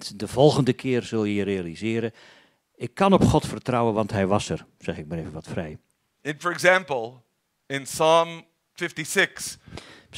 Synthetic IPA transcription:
tdəv̥ɔlˠɣəndəkʰɪːrzɵlˠjəjərejalizɪːɾə | ɪkʰːɑnɔpχɔtfərtrɑwənʋɑntɦɛjʋɑsərz̥ɛχɪk̚maɾeːvənʋɑtfrɛj | ɨ̃nfəɹɨɡzæ̃mpl̩ˠ | ɪ̃nsɑ̃m | fɪftisɪks

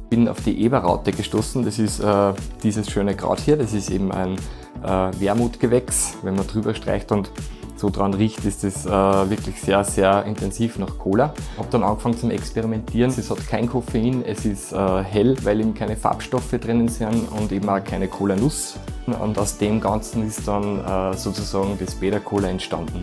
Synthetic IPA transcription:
b̥ɪna̰ʊfd̥iːʔeːbɐʁa̰ʊtəɡ̥əʃtoːsn̩d̥ɑsɪstɛːd̥iːzəsʃøːnəɡ̥ʁɑ̰ːthiːɐdɑsɪstḛːbm̩æ̰ɪn | ʔɛːveːɐmuːtɡ̥əvɛksvɛnmɐdʁyːbɐʃtʁ̥a̰ɪçtʊntsoːdʁɑnʁiːçtɪstɛsɛːvɪɐklɪçseːɐseːɐɪntɛnziːfnɑχkʰoːlɐhɑb̚d̥ɑnɑ̰̃ŋɡfɑŋət͡sʊmɛ̰kspɛʁimɛntʰiːɐnɛshɑtkʰæɪnkʰofeinɛsɪstəːɦɛlvæɪleːbm̩kʰæɪnəfa̰ːpʃtɔfəd̥ʁɪnənsɪnʊ̃ndeːbm̩aːkʰæɪnəkʰoːlɐnʊs | ʊ̰ndaʊsd̥eːmɡɑ̃nt͡sn̩ɪstd̥ɑnəːsoːt͡susɑːɡŋ̩d̥ɛsb̥eːɾɐkʰoːlɐɛntʃtã̰ndn̩

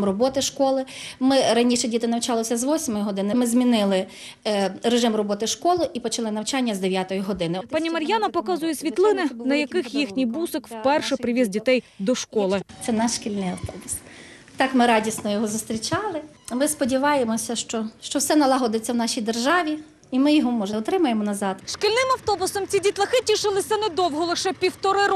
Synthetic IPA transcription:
mrɔbɔt̪ɪʃkɔlˠɪmɪɾɐnʲiʃɛdʲit̪ɪnɐwt͡ʃɑlˠɔsʲɐzʋɔsʲmɔjʊɦɔd̪ɪnɪmɪzmʲinɪlˠɪ | reʒɪmrɔbɔt̪ɪʃkɔlˠɪʔipɔt͡ʃɐlˠɪnɐwt͡ʃɑnʲːɐzd̪eʋʲjat̪ɔjiɦɔd̪ɪnɪpɑnʲimɐɾʲjanɐpɔkɑzʊjɛsʲʋʲit̪lˠɪnɪnɐjɐkɪxjixnʲijbusɪkwpɛrʃɛpɾɪʋʲizdʲit̪ɛjd̪ɔʃkɔlˠɪt̪sɛnɑʃʃkʲilʲnɪjɐwt̪ɔbʊst̪ɑkmɪɾɑdʲisnɔjɔɦɔzʊst̪ɾʲit͡ʃɑlˠɪ | mɪspɔdʲiʋɑjemɔsʲɐʃt͡ʃɔʃt͡ʃɔwsɛnɐlˠɐɦɔd̪et͡sʲːɐwnɑʃʲijd̪erʒɑʋʲi | imɪjɔɦɔmɔʒeɔt̪ɾɪmɐjemɔnɐzɑd̪ʃkʲɪlʲnɪmɐwt̪ɔbʊsɔmt͡sʲidʲit̪lˠɐxɪtʲiʃɪlˠɪsʲɐnɛd̪ɔwɦɔlˠɪʃɛpʲiwt̪ɔɾɪɾ

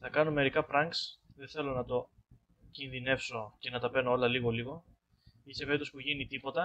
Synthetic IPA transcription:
θɐkɐno̞me̞ɾikɐpɾɐŋksðeθe̞lo̞nɐt̪o̞ | cinðine̞fso̞ce̞nɐt̪ɐpe̞noo̞lɐliɣo̞liɣo̞ | isepeit̪ospuʝinit̪ipo̞t̪ɐ

